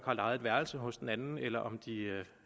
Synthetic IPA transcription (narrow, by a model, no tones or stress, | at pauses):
ɡ̥hɑ̈lɑ̈ɪð̩ˠʋæɐl̩səɦɔ̽sd̥enænn̩elɐʔɒ̽md̥iø